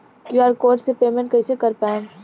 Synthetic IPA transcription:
kjuaːɾkoːɾʈsepeːmẽɳʈ̚kɐɪsekɐɾpaːẽ

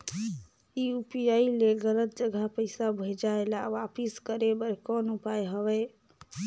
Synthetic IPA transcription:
iupijaileɡələt̪̚d͡ʒəɡʱapəɪsabʱəd͡ʒaelaʋapiskəɾebəɾkɔnupajɦəʋɛ

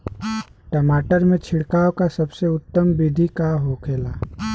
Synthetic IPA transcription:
ʈəmaːʈəɾmẽt͡ʃʰɪɽkaːwkasɐbseʊt̪ːəmbid̪ʱikaɦoːkʰeːlaː

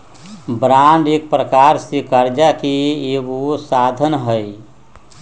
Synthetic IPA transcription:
bɾãɳɖek̚pɾəkaɾsikəɾd͡ʒakiewosad̪ʱənɦəi

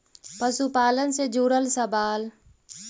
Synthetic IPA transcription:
pəsupaːlənsed͡ʒuːɽəlsəbaːl

